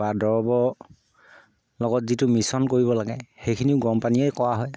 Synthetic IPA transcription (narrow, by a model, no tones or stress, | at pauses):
badɔɹɔbɔ | lɔɡɔtzitʊmisɔnkoɹibɔlaɡɛxejkʰiniʊɡɔmpaniɛjkɔwaɦɔj